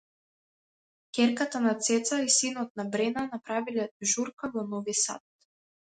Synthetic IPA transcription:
kʲɛɾkat̪anat̪sɛt̪saisinɔt̪̚nabɾɛnanapɾavilɛʒuɾkavɔnɔvisa̰t̪̚

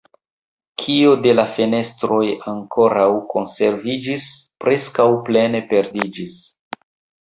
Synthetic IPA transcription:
kʰiode̞lafene̞stɾo̞jaŋko̞ɾawko̞nseɾvid͡ʒispɾe̞skawple̞ne̞pe̞ɾdid͡ʒis

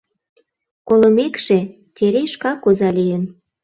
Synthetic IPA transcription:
kolə̆mekʃe | t̪ʲeɾeʃkɑkuzɑlijən

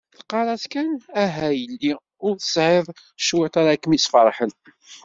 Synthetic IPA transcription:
θqːɑɾˤɑskænæɦæjəlːi | ʊɾθə̥sʕɪðˤ | ʃwit̪aɾakːmisfəɾˤħən

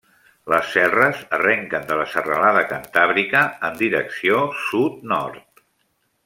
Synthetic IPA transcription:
ləsːɛrəzərɛŋkənd̪ələsərəlaðəkənt̪aβɾikəːnd̪iɾəksiosut̪̚nɔ̰ɾt̪

